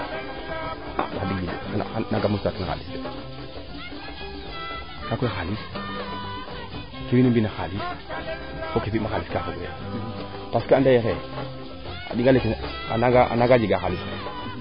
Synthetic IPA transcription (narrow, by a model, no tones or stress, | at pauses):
a̰adiɡd͡ʒidian̰anaɡamustatnaxa̰lis | nakojxalis | kiwinimbinaxalis | kokifimaxaliskafoɡoja̰ | paskandajexe | a̰diŋɡalek | anaɡaʔa̰naɡad͡ʒiɡaxalis